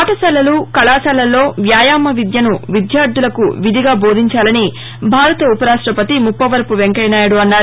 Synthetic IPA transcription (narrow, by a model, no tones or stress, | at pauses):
at̪ɐsɐlːɐlukɐlaːsɐlːɐlːo̞ːʋjaːjaːmːɐʋid̪jɐnuʋid̪jaːɾd̪ulɐkṵʋid̪ʱiɡaːbo̞ːd̪ʱiɲt͡ʃaːlɐni | bʱaːɾɐt̪ɐupɐɾaːʂʈɾɐpɐt̪imupːɐʋɐɾpuʋeŋkɐjnaːjɐɽuɐnːaːɾu